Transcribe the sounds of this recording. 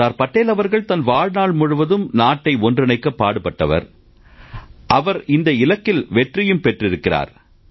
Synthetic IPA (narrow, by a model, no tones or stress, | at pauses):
aːɾpɐʈːeːlɐʋɐɾɣɐɭt̪ɐnʋaːɻnaːɭmʊɻʊʋɐðɯmnaːʈːɐɪɔndrɪnɐɪkːɐpːaːɽɯpɐʈːɐʋɐ̰ɾ | ʔɐʋɐɾɪnd̪ɐɪlɐkːɪlʋɛʈrɪjɯmpɛʈrɪɾɯkːɪra̰ːɾ